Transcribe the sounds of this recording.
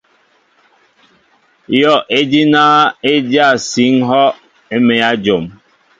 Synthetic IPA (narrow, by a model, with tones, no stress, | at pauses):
jɔ˦˨ʔe˦di˦naː˦e˦dja˦˨si˨˦ŋ˦ɦɔ˦ | e˦me˨ja˦d͡ʒo˨m